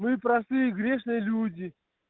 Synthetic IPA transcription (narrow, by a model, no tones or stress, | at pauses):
mɨpɾɐst̪ɨjəɡɾʲeʂnɨjəlʲudʲi